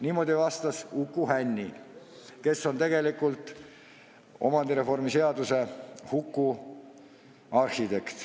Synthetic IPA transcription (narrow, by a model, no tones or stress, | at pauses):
niːmo̞ːd̪ʲivɑst̪ɑsukˑːuhænʲːi | ke̞sːo̞nt̪e̞ɡe̞likːˑult̪ˑ | o̞̰mɑnd̪iɾe̞fo̞rmise̞ɑd̪use̞hukˑːu | ɑrhit̪e̞kt̪